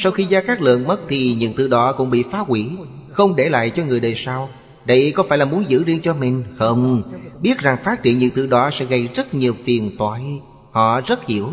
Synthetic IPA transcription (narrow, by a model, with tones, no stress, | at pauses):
sa˧wxi˧zaː˧kaː˦˥k̚lɨ̰˧˨ənmə˦˥t̚t̪ʰi˨˩ɲɨ̰˧˥ŋt̪ɨ̰˧˩ɗɔ˨˦kʊ̰˧˥ŋ͡mɓḭ˧˨faː˨˦ki˧˦ | xə˧wŋ͡mɗe˧˩la̰ː˧˨jt͡ɕɔ˧ŋɨ˨˩əjɗəː˨˩jsaː˧w | ɗə˧jkɔ˨˦faː˧˩jlaː˨˩mu˨˦ənzɨ̰˧˥zi˧ənt͡ɕɔ˧mï˨˩ŋ̟xə˧wŋ͡mɓi˦˥ət̚za˨˩ŋfaː˦˥t̚tḭ˧˩ənɲɨ̰˧˥nt̪ɨ˧˩ɗɔ˨˦sɛ̰˧˥ɣə˧˩jzə˦˥t̚ɲi˨˩əwfi˨˩ənt̪waː˧˨j | hɔ̰˧˨zə˦˥t̚hi˧˩əw